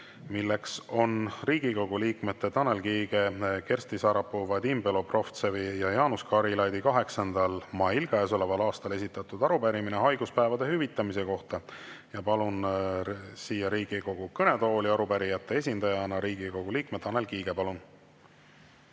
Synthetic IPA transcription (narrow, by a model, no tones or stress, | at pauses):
milːe̞kso̞nriːɡ̥iko̞ɡ̥uliːkme̞t̪ːe̞t̪ɑne̞lkiːɡe̞ke̞rst̪isɑɾɑpːuvɑd̪imbe̞lo̞pro̞ft̪sevijɑjɑːnuskɑɾilɑjd̪ikɑɦe̞ksɑnd̪̥ɑlmɑjilɡ̥ɑeːso̞levɑlɑːst̪ɑle̞sit̪ːˑɑt̪ˑud̪̥ɑɾupæɾimineɦɑjɡuspæevɑd̪e̞hyvit̪ːˑɑmise̞ko̞ht̪ɑjɑpɑlun | siːjːɑɾiːɡ̥iko̞ɡ̥ukɤne̞t̪o̞ːliɑɾupæɾijɑt̪ːˑe̞e̞s̬ʲind̪̥ɑjɑnɑɾiːɡ̥iko̞ɡ̥uliːk̚me̞t̪ːɑne̞lkiːɡ̥e̞pɑlun